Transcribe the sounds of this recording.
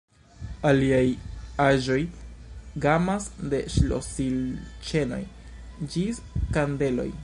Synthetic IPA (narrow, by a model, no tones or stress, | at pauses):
aliajaʒo̞j | ɡamasde̞ʃlo̰silt͡ʃe̞no̞̰j | d͡ʒis | kande̞lo̞̰j